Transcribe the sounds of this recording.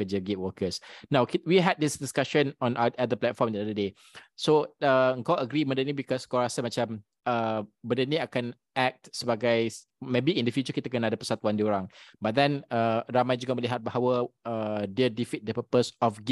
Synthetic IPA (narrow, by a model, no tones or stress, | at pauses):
əd͡ʒəɡiwəkəsnãwkiwiɦɛt̚disdiskaʃə̃nɔ̃naadəplɛt̪̚fɔmdiadəde | soəəŋkawəɡɾimədənĩbikɔsəŋkawɾasəmat͡ʃam | əbədənĩakan | ɛk̚tsəbaɡaj | mẽbiĩndəfjut͡ʃəkit̪əkənaadəpə̥sat̪uwandioɾãŋbat̪̚dɛ̃nəramajd͡ʒuɡaməliɦat̪̚baɦawəədədifit̪̚dəpəpəsɔfɡi